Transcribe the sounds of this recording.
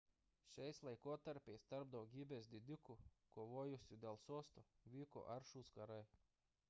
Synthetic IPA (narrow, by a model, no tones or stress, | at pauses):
ʃʲɛjslˠajkɔt̪aɾpʲɛjst̪aɾb̚d̪ɔwɡʲibʲɛsd̪ʲid̪ʲykukɔʋɔɔjusʲud̪ʲɛlˠsuɔst̪uvʲiːkɔ̰ʔaɾʃuskaɾaj